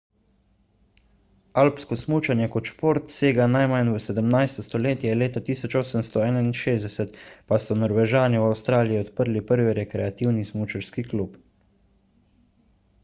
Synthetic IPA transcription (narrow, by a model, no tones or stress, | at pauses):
alpskɔsmuːt͡ʃanjɛkɔt̪ʃpoɾt̪seːɡanajmanʋəsɛd̪əmnajst̪ɔst̪ɔleːt̪jɛleːt̪at̪iːsɔt͡ʃoːsəmst̪ɔɛːnainʃeːzd̪ɛsɛt̪pasɔnɔɾʋɛʒaːniwawst̪ɾaːlijiɔt̪pəɾlipəɾʋiɾɛkɾɛat̪iwnismut͡ʃaɾskiklup